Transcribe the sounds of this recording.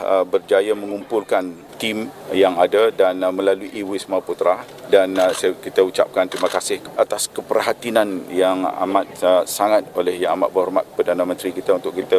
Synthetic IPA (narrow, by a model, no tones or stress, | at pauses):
bərd͡ʒajamə̃ŋumpʊlkan | t̪imjaŋadadanmə̃laluʔiwismaput̪ɾa | danskit̪əut͡ʃa̰p̚kant̪ɾimakasɪhʔat̪askəpərɦat̪inanjaŋa̰mat̪̚saŋat̪̚olɛhjaŋama̰t̪̚bərɦɔrmat̪̚pərdanamə̃nt̪ɾikit̪aunt̪ʊkit̪ə